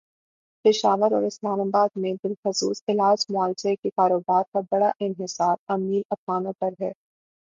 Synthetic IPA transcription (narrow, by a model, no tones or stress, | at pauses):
pɪʃaːʋəɾɔ̰ːɾɪslaːmabaːd̪̚mẽbɪlxʊsuːsɪlaːd͡ʒmaːlt͡ʃekekaːɾoːbaːɾkabɐɽaʔɪnɦɪsaːɾɐmiːlɐp̪aːnõpɐɾɦɛː